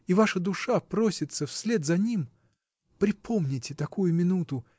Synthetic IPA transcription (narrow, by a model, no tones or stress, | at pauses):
ivaʂəd̪ʊʂapɾo̞sʲɪt̪səfsʲlʲe̞d̪zɐnʲim | pɾʲɪpʰomnʲɪtʲɪt̪ɐkujʊmʲɪnut̪ʊ